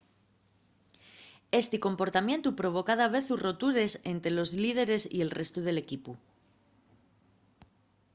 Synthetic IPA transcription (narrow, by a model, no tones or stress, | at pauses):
e̞st̪iko̞mpo̞ɾt̪amje̞nt̪upɾo̞β̞o̞kaðaβ̞e̞θuro̞t̪uɾe̞se̞nt̪ɾelo̞zlið̞e̞ɾe̞sḭe̞lrʔe̞st̪uðe̞le̞kipu